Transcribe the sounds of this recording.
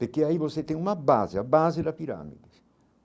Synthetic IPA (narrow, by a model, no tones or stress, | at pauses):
peɾkeaiβoset̪ẽŋumabazɪabazed̪apiɾa̰mḭd̪ɪs